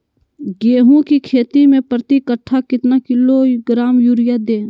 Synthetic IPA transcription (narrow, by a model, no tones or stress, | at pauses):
ɡeːɦũkikʰeːt̪imẽpɾət̪ikəʈʰːakɪt̪nakɪloɡɾaːmjuːɾɪjad̪eː